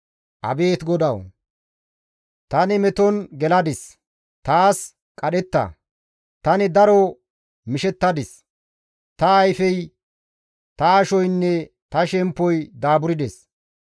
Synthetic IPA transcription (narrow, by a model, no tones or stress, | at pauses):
ʔɐ̰be̞ːt̪ɡɔd̪ɐw | t̪ɐnɪmɛt̪ɔnɡɛlɐd̪ɪs | t̪aːs | kʼɐɗɛt̪ːɐ̰ | t̪ɐnɪd̪ɐɾɔ | mɪʃɛt̪ːɐd̪ɪs | t̪ɐːjfɛj | t̪ɐːʃɔjnːɛ | t̪ɐʃɛmpːɔjd̪aːbʊɾɪd̪ɛs